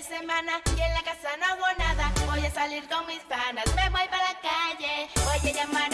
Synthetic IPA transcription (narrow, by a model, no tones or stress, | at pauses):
semãnaienlakasano̞βo̞naðaβo̞jasaliɾko̞ŋmispanasme̞βo̞jpaɾlakaʝebojkeʝamaɾ